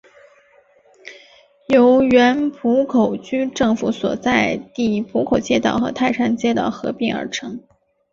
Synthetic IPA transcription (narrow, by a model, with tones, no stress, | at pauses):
jo˧˥ʊɥɛ˧˥npʰu˧˥kʰo˨˩ʊt͡ɕy˥ʈ͡ʂɤ˥˩ŋfu˧˥swɔ̰˨˩t͡sa˥˧ɪt̪i˥˩pʰu˧˥kʰo˨˩ʊt͡ɕjɛ˥t̪ɑ˥˩ʊxɤ̰˧˥t̪ʰa˥˩ɪʈ͡ʂʰa˥nt͡ɕjɛ˥d̪ə̰˥˩ʊxɤ˧˥pi˥˩ŋə̰˞˧˥ʈ͡ʂʰɤ˧˥ŋ